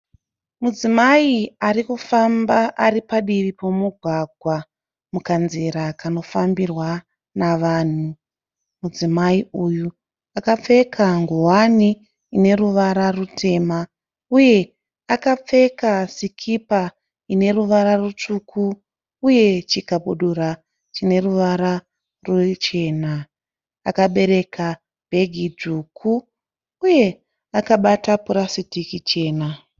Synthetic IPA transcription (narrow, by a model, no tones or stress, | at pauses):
mud͡zimaiarikufambaʔaɾipaɗiʋipo̞muɡʱwaɡʱwa | mukanziɾakano̞fambirwa | naʋaːn̤u | mud͡zimaiuju | akap͡fe̞kʰaŋɡowaniː | ne̞ɾuʋaɾarutʰe̞ːma | uje̞ | akap͡fe̞kasikʰipa | ine̞ruʋaɾarut͡ʂukʰuː | je̞t͡ʃikaɓuɗuɾa | t͡ʃine̞ruʋaɾa | rut͡ʃe̞ːna | a̰kaɓe̞ɾe̞kʰa | b̥ʱe̞ɡʱid͡zuːkʰuː | je̞ | akaɓatapuɾasitikit͡ʃe̞ːna